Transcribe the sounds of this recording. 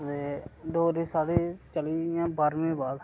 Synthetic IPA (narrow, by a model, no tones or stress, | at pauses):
d̪eːd̪oːɾiːsaːɽiːt͡ʃəliːjãːbaːɾmẽːbaːd̪